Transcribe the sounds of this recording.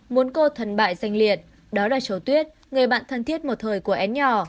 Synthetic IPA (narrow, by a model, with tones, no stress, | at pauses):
mu˨˦ənko˧t̪ʰə˨˩nɓa̰ː˧˨jza˨˧˩jŋ̟li˨˩ət̚ | ɗɔ˨˦laː˨˩t͡ɕə˨˧˩wt̪wi˦˥ət̚ | ŋɨ˨˩əjɓa̰ː˧˨nt̪ʰə˨˩nt̪ʰi˦˥ət̚mo˨˩t̚t̪ʰəː˨˩jku˧˩əʔɛ˨˦nɲɔ˧˨˩